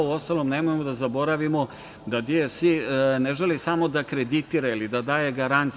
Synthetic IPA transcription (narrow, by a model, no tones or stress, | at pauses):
uo̞st̪alo̞mnemojemod̪azabo̞ɾaʋimo̞ | d̪ad̪iesʋineʒelisamo̞d̪akɾed̪it̪iɾailid̪ad̪aːje̞ɡaɾant̪s